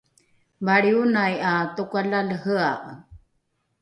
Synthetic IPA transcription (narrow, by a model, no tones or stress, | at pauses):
baɭiunajatukʷalalhəaʔ